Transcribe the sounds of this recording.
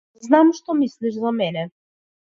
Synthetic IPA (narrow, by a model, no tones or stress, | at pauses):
znamʃt̪ɔmisliʃzamɛnɛ